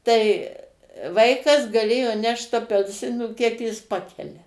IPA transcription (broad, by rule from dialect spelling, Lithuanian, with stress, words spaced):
tɐɪ ˈʋɐɪkɐs ɡɐˈlʲeːjoː ˈnʲɛʃt ɐpʲɛlʲˈsʲɪnuː ˈkʲiɛk jɪs ˈpɑːkʲɛlʲɛ